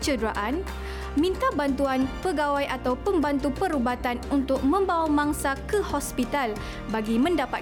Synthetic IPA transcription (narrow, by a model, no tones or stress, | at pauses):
t͡ʃədɾaʔan | mĩnt̪abant̪uanpəɡawajʔat̪awpəmbant̪upəɾubat̪anunt̪ʊk̚mə̃mbawamãŋsakəhɔspit̪al | baɡimə̃ndapat̪̚